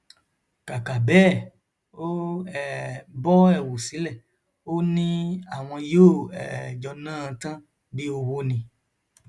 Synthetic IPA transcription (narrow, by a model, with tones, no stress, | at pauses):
ka˨ka˨bɛː˦˨ | o˦ɛ˨bɔ˦ɛ˦˨wo˨si˨˦lɛ˦˨ | o˦nĩ˦a˦˨w̃ɔ̃˧joː˦˨ɛ̰˨d͡ʒɔ˧nãː˦˧tã˦ | bi˦o˧wo˦nĩ˧